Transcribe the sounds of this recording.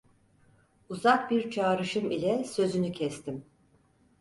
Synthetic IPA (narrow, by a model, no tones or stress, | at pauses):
uzak̚biɾt͡ʃʰaːɾɯʃɯmilʲɛsø̞zynycʰɛst̪ʰim